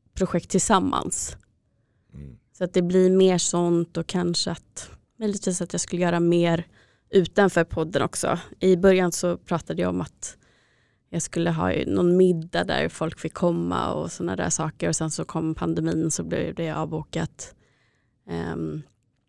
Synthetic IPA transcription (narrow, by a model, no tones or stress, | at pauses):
pʰɾʊɧɛk̚t̪ʰːɪlsamːa̰ns | sɔat̪̚d̪ɛblɪɾmeːʂɔnt̪ɔkʰanʂəat̪ | mœʏjlɪt̪ʰviːsat̪jɑɡskɵlːəjœːɾameːɾ | ʉ̟ːt̪anfœːɾpʰɔd̪ːənʔɔksɔ̰ʔɪbœɾjansɔpʰɾɑːt̪ad̪əja̰ɔmat̪ | jɑːɡskɵlːəɦɑ̰ːnɔnmɪd̪ːad̪æ̰ɾfɔlkfɪlkʰɔmːa̰ɔ̰sɔnːad̪æ̰ːʂɑːkəɾɔsɛnsɔkʰɔmːpʰand̪ɛmiːnsɔblɛ̰d̪ɛjaɑ̰ːvbuːkat̪